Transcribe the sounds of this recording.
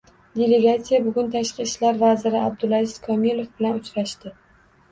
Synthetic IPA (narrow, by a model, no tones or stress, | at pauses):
d̪ʲe̞le̞ɡat̪sijabʊɡʊnt̪ʰaʃqɨʃlaɾvazɪɾɪab̚d̪ʊlˠaɪskʰɒmilˠofbɪlanʊt͡ʃʰɾaʃt̪ɪ